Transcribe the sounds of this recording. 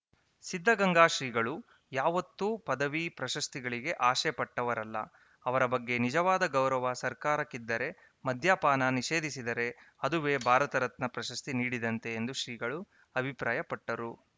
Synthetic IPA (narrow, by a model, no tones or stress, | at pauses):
sid̪ʱːɐɡɐŋɡaːʃɾiːɡɐɭu | jaːʋɐt̪ːupɐd̪ɐʋipɾɐʃɐst̪iɡɐɭiɡe̞ʔaːʃɛpɐʈːɐʋɐɾɐlːɐ̰ | ɐʋɐɾɐbɐɡːe̞nid͡ʒɐʋaːd̪ɐɡɐwɾɐʋɐsɐɾkaːɾɐkːid̪ːɐɾe̞ | mɐd̪ʱjaːpaːnɐniʃe̞ːd̪isid̪ɐɾe̞ɐd̪uʋeːbʱaːɾɐt̪ɐɾɐt̪nɐpɾɐʃɐst̪iniːɽid̪ɐnt̪e̞ːnd̪uʃɾiːɡɐɭu | ɐbʱipɾaːjɐpɐʈːɐɾu